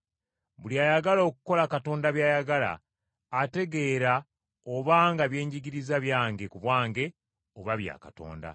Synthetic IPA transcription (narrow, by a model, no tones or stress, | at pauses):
βuliajaɡalo̞ːku̥ko̞lakato̞ːndaβjaːjaɡala̰ː | te̞ɡe̞ːɾa | oβaːŋɡaβje̞ːɲɟiɡiɾizaβjaːŋɡe̞kuβwaːŋɡe̞ | o̞βaβja̰ːkato̞̰ːnda̰